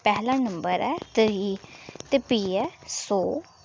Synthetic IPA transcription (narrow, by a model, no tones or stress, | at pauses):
pɛɦlãːnəmbəɾɛːt̪ɾiːt̪eːpiːɛsoː